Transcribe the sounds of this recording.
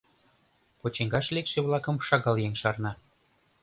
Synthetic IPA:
pot͡ɕeŋɡɑʃlekʃĕβlˠɑkə̆mʃɑɣɑljeŋʲʃɑrnɑ

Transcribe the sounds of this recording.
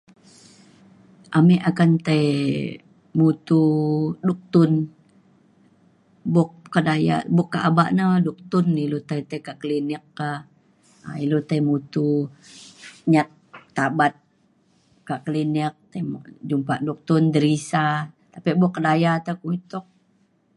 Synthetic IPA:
ʔamɛʔakant̪aj | mut̪uduk̚t̪ʊn | bɔk̚kːədaja̰bʊkːaʔaba̰ʔnaduk̚t̪ʊnːilot̪ajt̪akaʔkəlinikːah | a̰ilot̪ajmut̪u | ɲat̪̚ː | abat̪̚ | kaʔkəlinik̚t̪ajm̰d͡ʒumpaʔduk̚t̪ʊnd̪əɾisat̪apiʔbɔkːədajat̪akuit̪ɔk̚

